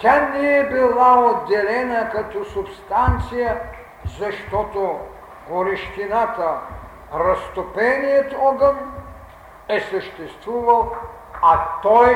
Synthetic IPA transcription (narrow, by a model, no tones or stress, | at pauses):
t̪ʲaniɛbilˠaod̪ːɛlɛnɐkɐt̪ɔsupst̪ant̪sijə | zɐʃt̪ɔt̪o | ɡoɾiʃt̪ʲinat̪ə | ɾɐst̪opɛnijət̪ɔɡən | ɛsəʃt̪ɛst̪vuvɐlˠ | at̪ɔj